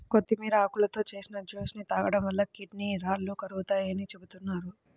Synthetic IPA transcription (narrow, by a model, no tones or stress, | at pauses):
kot̪ːimiːɾɐakulɐt̪o̞ːt͡ʃe̞ːsinɐd͡ʒoːsnit̪aːɡɐɽɐmʋɐlːɐkiʈniɾaːlːukɐɾuɡut̪aːjɐnit͡ʃe̞but̪unːaːɾu